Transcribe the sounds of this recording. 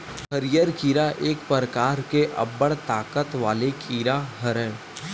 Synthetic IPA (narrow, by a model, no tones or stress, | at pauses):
xəɾijəɾkiːɾaʔeːkpəɾəkaːɾkeʔɐ̰bəɽt̪aːkət̪ʋaːlekʰiːɾaɦɐɾɛ̃ː